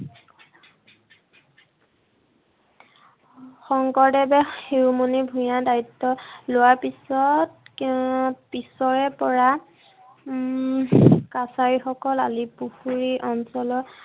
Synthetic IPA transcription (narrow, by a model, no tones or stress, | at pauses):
xɔŋkɔɹdɛbɛxiɹumunibʱujadaɹitːɔlʊwaɹpisɔt | pisɔɹɛpɔɹa | kasaɹixɔkɔlalipuxuɹiʔɔnsɔlɔ